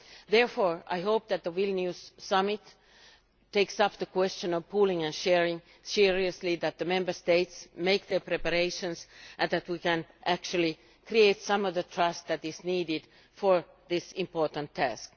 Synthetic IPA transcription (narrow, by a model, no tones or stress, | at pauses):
ðɛɹfɔɹa̰ɪɦoʊp̚ðæt̪̚ðəwɪlˠnjussʌmɪt | tːeɪksʌpðəkʰw̥ɛst͡ʃə̃nɔvpʰuːlɪ̃ŋæ̃nʃɛɹɪ̃ŋ | siɹiɨsliðæt̪̚ðəmɛ̃mbə˞st̪eɪtsmeɪk̚ðə˞pɹɛpəɾeɪʃə̃nsʔɨ̃nðæt̪̚wikæ̃nʔæk̚t͡ʃʉl̩ˠi | kɾieɪtsʌ̃mʌvðətʰɹ̥ʌst̪̚ðætɪzniːdɪd | fəɹ | ðɪsɪ̃mpɔɹtə̃ntʰːæ̰sk